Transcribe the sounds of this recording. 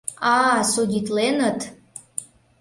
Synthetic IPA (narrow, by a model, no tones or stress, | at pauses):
ɑsudʲit̪lenət̪